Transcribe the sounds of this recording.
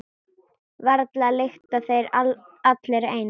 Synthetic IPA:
vɛɾt̪lalext̪aθejɾat̪leɾaeːjn

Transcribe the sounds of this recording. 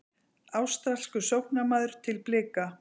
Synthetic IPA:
aːwst̪ɾaskʏsowhnamaːðʏɾ̥t̪ʰɪlplɪːka

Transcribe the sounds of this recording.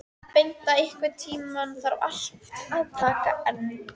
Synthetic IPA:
pejn̥t̪aɪhkvɪt̪ʰiːmanθaɾ̰a̰l̥t̪aðt̪ʰaːka̰ɛnː

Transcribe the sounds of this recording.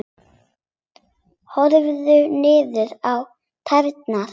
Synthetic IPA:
hɔɾvðʏnɪːðʏɾaw | t̪ʰaɾt̪̚na

